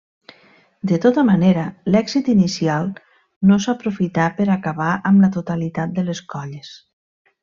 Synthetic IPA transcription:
d̪ət̪ot̪əmaneɾəlɛɡzit̪inisialˠ | nosapɾufit̪apəɾakaβaʔəmlət̪ut̪alit̪at̪̚d̪əleskɔʎes

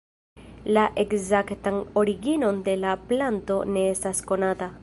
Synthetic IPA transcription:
laʔe̞kzaktano̞ɾiɡino̞nde̞laplanto̞ne̞e̞stasko̞nata

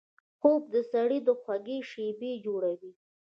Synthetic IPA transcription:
xob̚d̪əsaɽid̪əxwaɡeʃebed͡ʒoɽawi

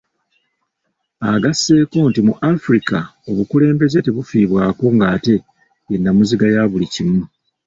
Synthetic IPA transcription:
aɡasːe̞ːko̞ːntimuʔafɾikao̞βukule̞ːmbe̞ze̞te̞βufiːβwaːko̞ŋɡaːte̞ | enːamuziɡajaːβulicimu

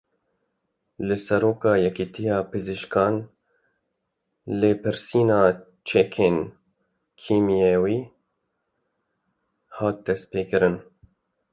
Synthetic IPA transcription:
lɨsɛɾoːkɑːjɛkit̪ʰijɑːpɨziʃkʰɑːn | leːpɨɾsiːnɑː | t͡ʃʰɛkʰeːn | kʰiːmijewiː | hɑːt̪̚d̪ɛst̪̚peːkɨɾɨn

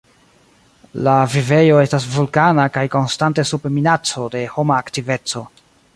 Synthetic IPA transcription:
lavive̞jo̞e̞stas̬vulkanakajko̞nstante̞supminat͡so̞de̞ho̞maːktive̞t͡so̞

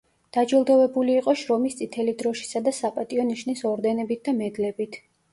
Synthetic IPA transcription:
d̪̥ad͡ʒilˠd̪ɔvɛbuliːqʼɔʃɾɔmist̪sʼit̪ʰɛlid̪ɾɔʃi̥sad̪asapʼat̪ʼiɔniʃnisɔɾd̪ɛnɛbit̪̚ʰd̪amɛd̪lɛbit̪ʰ

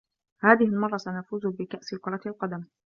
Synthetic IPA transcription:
haːðɪhɪlmɑrˤːɑsanafuːzʊbɪkaʔsɪlkʊɾˤɑt̪ɪlqɑd̪am

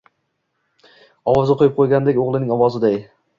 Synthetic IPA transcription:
ɒwɒzɪqʰojɪp̚qʰojɡʲand̪ekʲoʁlˠɪnɪŋɒwɒzɪd̪aj

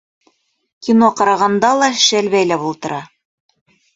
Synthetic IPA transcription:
kʲinoqɑɾɑʁɑnd̪ɑlˠɑʃælβæjlæβulˠt̪ɤ̆ɾɑ

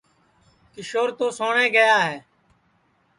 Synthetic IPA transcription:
kɪʃoːɾt̪oːsoːɳeːɡəjaːɦɛː

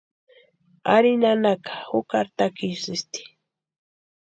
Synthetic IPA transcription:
a̰ɾinanakḁhʊkaɾt̪akisɪst̪i̥

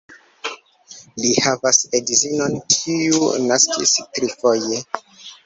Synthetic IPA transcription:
lihavasedizinonkʰiunaskḭstɾifoje

